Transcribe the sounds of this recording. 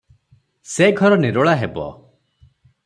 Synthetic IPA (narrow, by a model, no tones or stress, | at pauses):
seɡʱɔɾɔneɾoɭaɦebɔ̰